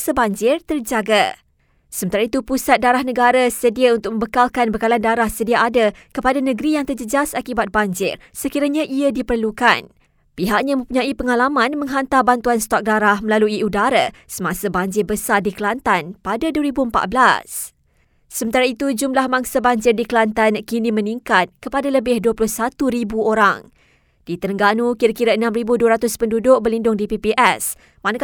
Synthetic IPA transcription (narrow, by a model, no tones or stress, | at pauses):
sabaɲd͡ʒɪrt̪ərd͡ʒaɡa | səmənt̪aɾait̪upusat̪̚daɾahnəɡaɾasədiaunt̪ʊk̚mə̃mbəkalkanbəkalandaɾahsədiaʔadakəpadanə̃ɡɾijaŋt̪ərd͡ʒəd͡ʒasakibat̪̚baɲd͡ʒɪ̰r | səkiɾaɲãʔiadipərluka̰n | piɦaʔ̚ɲamə̃mpuɲãipəŋalamãnmə̃ŋɦant̪abant̪uanst̪ɔk̚daɾahmə̃laluiudaɾasəmãsabaɲd͡ʒɪrbəsardikəlant̪anpadaduəɾibuəmpa̰ʔ̪̚bla̰s | səmə̃nt̪aɾait̪ud͡ʒumlahmaŋsabaɲd͡ʒɪrdikəlant̪ankinimə̃niŋkat̪̚kəpadaləbɪhduəplʊhsat̪uɾibuoɾa̰ŋ | d̥it̪əɾəŋɡanukiɾakiɾaənãmɾibuduaɾat̪ʊspəndudʊʔ̚bərlindʊŋdipipiʔɛs | mana